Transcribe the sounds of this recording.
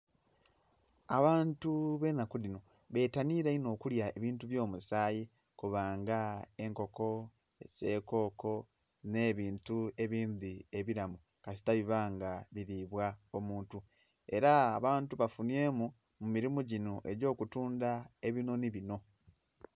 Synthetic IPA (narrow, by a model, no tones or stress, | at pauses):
aβaːntuβe̞ːnakulino | βe̞ːtaniɾeino̞ːkuljae̞βiːntuβjo̞ːmusaːji | kuβaːŋɡae̞ŋko̞ko̞ | ese̞ːko̞ːko̞ | ne̞ːβiːntue̞βiːndie̞βiɾamu | kasi̥taβiβaːŋɡaβiɾiβwaomuːntu | e̞ɾaːβaːntuβafunie̞ːmu | mumiɾimuɟinoʔe̞ɟo̞ːkutuːndaeβino̞niβino̞